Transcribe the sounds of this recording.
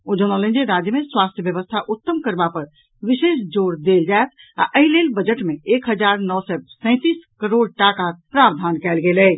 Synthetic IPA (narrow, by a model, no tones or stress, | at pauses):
od͡ʒəñələ̃nd͡ʒeɾad͡ʒjəmeswast̪ʰjəbjəʋəst̪ʰaʔut̪ːəmkəɾbapəɾ | ʋisesd͡ʒoɽd̪eld͡ʒaet̪ʰ | a̰ʔəɦilelbəd͡ʒəʈmeekɦəd͡ʒaɾnɔʋsɛsə̃ɪ̃t̪iskəɾoɽʈakapɾabd̪ʱankɛlɡeləj